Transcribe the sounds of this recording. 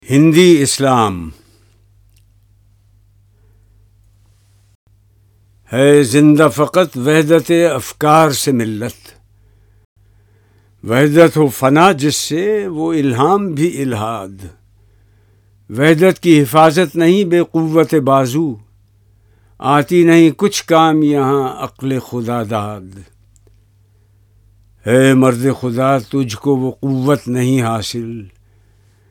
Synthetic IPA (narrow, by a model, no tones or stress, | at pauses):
hɪ̃nd̪iɪslaːm | hɛːzɪ̃nd̪afɐqət̪ʋɛɦd̪ət̪eɐfkaːɾsemɪlːət̪ | ʋɛɦd̪ət̪ɦofɐnad͡ʒɪsːeʋoɪlɦaːmbʱiʔɪlɦaːd̪ | ʋɛɦd̪ət̪kiɦɪfaːzət̪nɐɦĩbeːqʊʋːət̪ebaːzu | aːt̪inɐɦĩkʊt͡ʃʰkaːmjɐɦãɐ̰qlexʊd̪aːd̪aːd̪ | eːmɐɾd̪exʊd̪at̪ʊd͡ʒʱkoʋoqʊʋːət̪nɐɦĩɦaːsɪl